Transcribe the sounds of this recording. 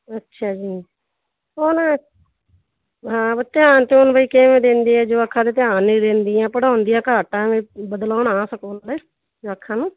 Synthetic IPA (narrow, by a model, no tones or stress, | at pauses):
ətːʃʰaːd͡ʒiː | on | ɦãːbət̪ːeaːnt̪eonbʱaiːkeːʋẽːd̪ẽːnd̪iːɛːd͡ʒoːəkʰːãːd̪eːt̪ɪaːnːiːd̪ẽːnd̪iːãːpəɽaːʊnd̪ijãːkaːʈãːmẽːbəd̪laːɳaːsəkoːnːleː | d͡ʒoːəkʰːãːnũː